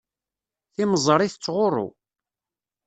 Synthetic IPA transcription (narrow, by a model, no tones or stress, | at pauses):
θiməzˤəɾˤiθət͡sːʁʊrˤʊ̰